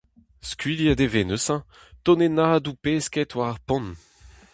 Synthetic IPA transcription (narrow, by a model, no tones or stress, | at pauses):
skɥiljad̪evenøsɑ̃ | t̪ɔnenaʁad̪upeskɛt̪waʁaʁpɔ̃n